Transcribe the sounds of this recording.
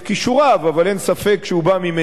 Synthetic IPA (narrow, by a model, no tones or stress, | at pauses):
kiʃuʁavavalensafe̞kʃeubamime